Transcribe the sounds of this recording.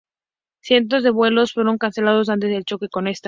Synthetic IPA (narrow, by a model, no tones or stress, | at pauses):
θje̞nt̪̬o̞zðe̞βwe̞lo̞sfwe̞ɾo̞ŋkanθe̞lað̞o̞s̬ant̪̬ezðelt͡ʃo̞ke̞ko̞ne̞st̪